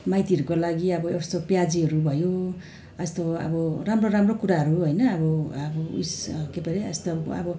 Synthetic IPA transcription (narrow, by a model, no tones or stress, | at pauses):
majt̪iʌɾukolaɡiʌbʌest̪opjad͡ziɦʌɾubʱʌjo | ast̪oʌ̰bʌramroɾamrokuɾaɦʌɾuɦʌjnʌːbʌʌbʌṵskepeɾeʌst̪oʌ̰bʌ